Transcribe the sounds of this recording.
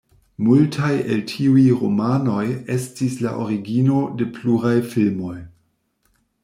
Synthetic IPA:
multʰaje̞ltʰiujɾomano̞je̞stisla̰ʔoɾiɡino̞de̞pluɾajfilmo̞j

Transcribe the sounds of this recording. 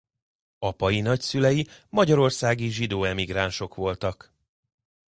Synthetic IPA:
ɒpɒjinɒcsylɛjimɒɟɒɾo̞rsaːɡiʒid̪oːɛmiɡɾaːnʃo̞kʋo̞lt̪ɒk

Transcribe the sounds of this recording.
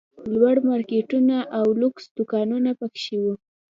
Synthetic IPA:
lwaɽmɑɾkeʈunaʔawluksd̪̥ʊkɑnunapakʃiwu

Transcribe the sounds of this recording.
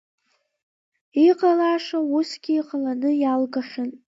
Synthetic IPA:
iqʼalaːʂausɡʲiiqʼalanɨjalɡaχʲan

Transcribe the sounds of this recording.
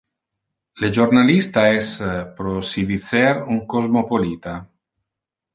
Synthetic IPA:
led͡ʒoɾnalist̪aɛspɾosivit̪sɛɾuŋkozmopolit̪a

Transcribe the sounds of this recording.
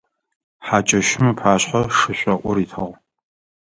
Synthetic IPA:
ħat͡ʃʼɐʃɪmɨpʰaːɕħaʂɨɕʷʼɐʔʷʊɾiːtʰɐʁ

